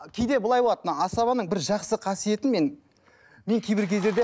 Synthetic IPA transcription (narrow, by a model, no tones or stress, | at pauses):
kʲʰe̞jd̪e̞bʊlˠɑjbolˠɑt̪ənəɑsɑβɑnəɴbɪɾʒɑqsəqʰɑsije̞t̪ɪnme̞n | me̞ŋkʲʰebɪɾkʲʰe̞zd̪e̞ɾd̪e